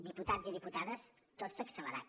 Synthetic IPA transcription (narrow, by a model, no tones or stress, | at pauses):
d̪iput̪adziðiput̪aðəs | t̪ozəksələɾa̰t